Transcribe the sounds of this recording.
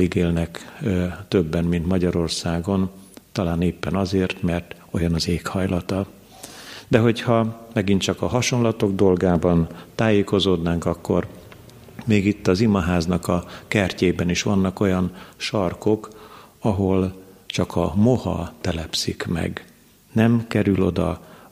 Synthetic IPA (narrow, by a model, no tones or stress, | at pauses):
iɡeːlnɛk | t̪øbːɛnmint̪mɒɟɒɾo̞rsaːɡo̞nt̪ɒlaːneːpːɛnɒzeːrt̪mɛrt̪ | o̞jɒnɒzeːkhɒjlɒt̪ɒ | d̪ɛɦo̞chɒmɛɡint̪t͡ʃɒkɒɦɒʃo̞nlɒt̪o̞ɡd̪o̞lɡaːbɒnt̪aːjeːko̞zoːd̪naːŋkɒkːo̞̰r | meːɡit̪ːɒzimɒɦaːznɒkɒkɛrceːbɛniʃʋɒnːɒko̞jɒnʃɒrko̞kɒɦo̞lt͡ʃɒkʰɒmo̞hɒ̰t̪ɛlɛpsikmɛ̰ɡ | nɛmkɛɾylo̞d̪ɒ̰